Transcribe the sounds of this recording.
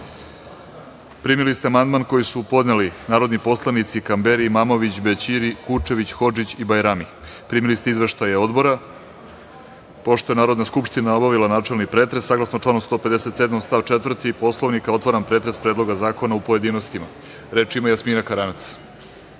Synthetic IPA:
pɾiːmilist̪eamand̪manko̞jisupo̞d̪nelinaːɾo̞d̪nipo̞slˠanit̪sikambeɾimaːmo̞ʋit͡ɕbet͡ɕiɾikut͡ʂe̞ʋit͡ɕxo̞d͡ʒit͡ɕibajɾami | pɾiːmilist̪eizʋeʃt̪ajeo̞d̪bo̞ɾa | po̞ʃt̪ojenaːɾo̞d̪naskupʂʃt̪inao̞baʋilanaːʈ͡ʂe̞lˠnipɾeːt̪ɾesːaːɡlˠasnoʈ͡ʂlaːnomst̪o̞ped̪ese̞t̪sed̪mamst̪aʋt͡ʃet̪vr̩t̪ipo̞slˠoʋnikao̞t̪ʋoɾanpɾet̪ɾe̞spɾeːd̪lˠo̞ɡazaːko̞naupo̞jed̪iːnost̪ima | ɾe̞ːt͡ʃimajasminakaɾanat̪s

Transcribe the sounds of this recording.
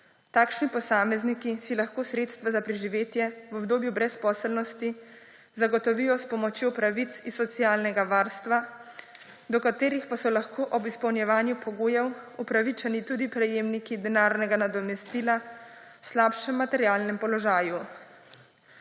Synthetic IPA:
t̪aːkʃnipɔsaːmɛznikisilaxkoːsɾeːt̪st̪ʋazapɾɛʒiʋeːt̪jɛʋɔbd̪oːbjubɾɛspɔːsɛlnɔst̪i | zaɡɔt̪ɔʋijɔspɔmɔt͡ʃjopɾaʋit̪sisːɔt̪sijaːlnɛɡaʋaːɾst̪ʋa | d̪ɔkat̪eːɾixpasɔlaxkʰoːʔɔbispɔwnjɛʋaːnjupɔɡoːjɛwupɾaʋit͡ʃɛnit̪ud̪ipɾɛjeːmnikid̪ɛnaːɾnɛɡanad̪ɔmɛst̪iːla | wslaːpʃɛmːat̪ɛɾjaːlnɛmpɔlɔʒaːju

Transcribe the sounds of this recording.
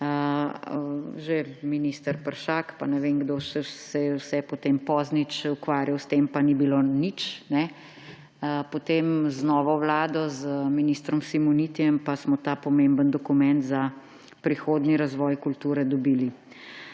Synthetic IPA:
ʒeminist̪əɾpəɾʃakpanɛʋeŋɡd̪osɛsɛjɛwsɛpɔt̪empɔznit͡ʃukʋaːɾjawst̪empanibilonit͡ʃnɛ | əpɔt̪emznɔːʋɔwlaːd̪ɔzminist̪ɾɔmsimunit̪ijɛmpasmɔt̪aːpɔmẽmbənd̪ɔkumɛnt̪za | pɾixoːd̪niɾazʋɔjkult̪uːɾɛd̪ɔbiːli

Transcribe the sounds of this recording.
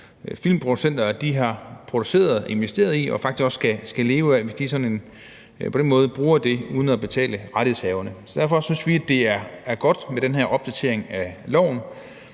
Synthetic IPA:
filmpʰʁo̝d̥usen̰d̥ɐd̥iɦɑ̈pʰʁo̝d̥u̥se̝̰ːɐð̞ˠe̝nʋesd̥e̝̰ːɐð̞ˠiɒ̽fɑ̈ɡ̥d̥isɡ̥ɒ̽sːɡ̥æsɡ̥æle̝ːʊəæʋesd̥isɒ̽ne̝n | pʰd̥enmɔ̽ːð̞ˠəb̥ʁuːɐd̥e̝uːð̞ˠn̩æb̥e̝t͡sʰɛ̰ːləʁɑd̥eshɛːʊɐnəsɒ̽d̥æɐfɒ̽synsʋiæd̥e̝æɐæɐɡ̥ɒ̽d̥meɾ̥enɦeɐ̰ʔɒ̽b̥̚d̥æt͡sʰe̝ɐ̰e̝ŋælɒʊ̰n

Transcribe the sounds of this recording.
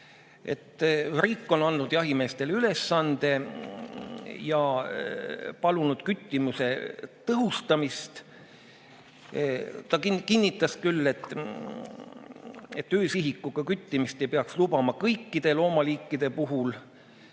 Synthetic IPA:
e̞̰t̪ːriːkˑːo̞nɑnːud̪̥jɑɦime̞ːst̪e̞lyle̞sːɑnd̪̥e̞ | jɑ | pɑlunud̪̥kyt̪ʲːimuse̞t̪ɤɦust̪ɑmist̪ | t̪ɑkikinʲːit̪ːˑɑskylːe̞t̪ˑː | et̪ːøːsiɦikːˑuɡ̥ɑkyt̪ʲːimist̪e̞jpeɑkslubɑmɑkɤjkˑːid̪̥e̞lo̞ːmɑliːkˑːid̪̥e̞puɦul

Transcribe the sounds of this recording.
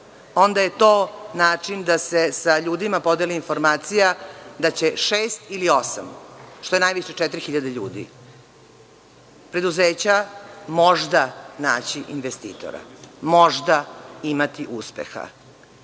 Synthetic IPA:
o̞nd̪aje̞t̪oːnaːt͡ʂind̪ase̞saʎuːd̪imapo̞d̪eliinfo̞ɾmaːt̪sijad̪at͡ɕe̞ʂeːst̪ilio̞sa̰mʃt̪o̞jenajʋiʃet͡ʂɛt̪ɾixiʎad̪eʎuːd̪ḭ | pɾe̞d̪uzeːt͡ɕamo̞ʐd̪anaːt͡ɕiʔinʋest̪ḭːt̪o̰ɾa̰mo̞ʐd̪aimat̪iʔuspḛxa̰

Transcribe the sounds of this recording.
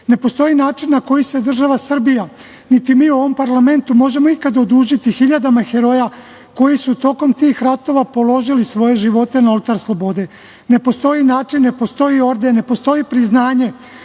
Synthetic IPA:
ne̞po̞st̪o̞jinaːt͡ʃinːako̞jise̞d̪r̩ʒaʋasr̩bija | nit̪imiːuo̞ʋo̞mpaɾlame̞nt̪umo̞ʒe̞mo̞ikad̪od̪uːʒit̪ixiʎad̪amaxe̞ɾo̞ja | ko̞jisut̪o̞ko̞mt̪iːxɾat̪o̞ʋapo̞lo̞ʒilisʋo̞je̞ʒiʋo̞t̪e̞naolt̪aɾslˠo̞bo̞d̪e̞ | ne̞po̞st̪o̞inaːt͡ʃinːe̞po̞st̪o̞io̞ɾd̪ene̞po̞st̪o̞jipɾiznaːɲe̞

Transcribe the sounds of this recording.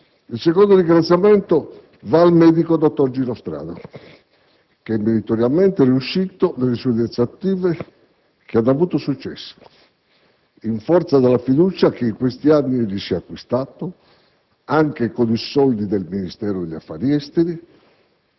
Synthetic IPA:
ilsekond̪oɾiŋɡɾat̪sːjamɛnt̪o | vaːlmɛːd̪ikod̪ɔt̪ːoɾd͡ʒiɾɔst̪ɾa̰ːða̰ | keɛmːiɾit̪oɾjalmɛnt̪eriuʃːit̪onelːesuuðɛnt̪sat̪ːiːve | k̟eanːoavuːt̪osut͡ʃːɛ̰sːo̥ | iɱfɔɾt̪sad̪alːafid̪uːt͡ʃak̟eiŋkwest̪ianːiɛʎːisɛakːwist̪aːt̪o | aŋk̟ekonisɔld̪id̪elminist̪ɛːɾod̪eʎːafːa̰ːɾiɛst̪eɾi

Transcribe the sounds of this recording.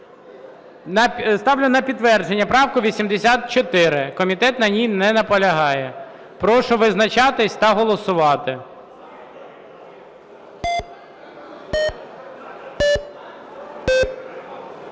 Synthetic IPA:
st̪ɑwlʲʊnɐpʲid̪ʋɛrd͡ʒenʲːɐpɾɑwkʊʋʲisʲimd̪esʲat̪̚t͡ʃɔt̪ɪɾɪkɔmʲit̪ɛt̪nɐnʲijnɛnɐpɔlʲɐɦɑjɛ | pɾɔʃʊʋɪznɐt͡ʃɑt̪ɪsʲt̪ɐɦɔlˠɔsʊʋɑt̪ɪ

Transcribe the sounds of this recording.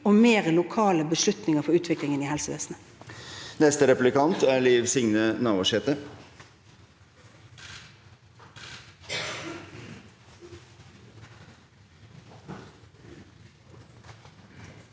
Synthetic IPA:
ɔmeːʁəlʊkʰɑːləbəʂlʉt̪nɪŋəfɔɾʉːt̪ʰʋɪklɪŋəniːhɛlsəʋḛːsn̩ə | nɛst̪əɾɛplɪkɑnt̪æːliːʋsɪŋnənɑːʋɑʂɛːt̪ə

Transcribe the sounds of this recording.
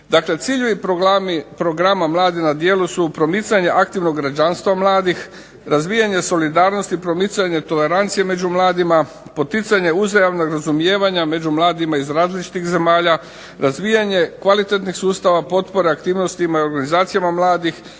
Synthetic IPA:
d̪akle̞t̪siʎeʋipoipɾo̞ɡɾamamlˠaːd̪inad̪je̞ːlusupɾo̞mit̪saɲe̞ʔakt̪iʋno̞ɡːɾad͡ʒanst̪ʋamlˠaːd̪ix | ɾazʋijaɲe̞so̞lid̪aːɾno̞st̪ipɾo̞mit̪saɲe̞t̪o̞le̞ɾant̪sijeme̞d͡ʑumlˠaːd̪ima | po̞t̪it̪saɲe̞uzajaʋnoɡɾazumje̞ːʋaɲame̞d͡ʑumlˠaːd̪imaizɾaːzlit͡ʃi̥t̪ixze̞maːʎa | ɾazʋijaɲe̞kʋalit̪et̪nixsuːst̪aʋapo̞t̪po̞ɾeakt̪iːʋno̞st̪imaio̞ɾɡanizaːt̪sijamamlˠaːd̪ix

